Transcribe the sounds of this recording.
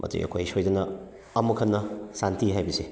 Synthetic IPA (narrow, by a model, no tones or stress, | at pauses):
mʔɐ̰tṵjɐ̰kʰojsojdɐnɐː | mɐkʰɐnːɐsantiɦajbise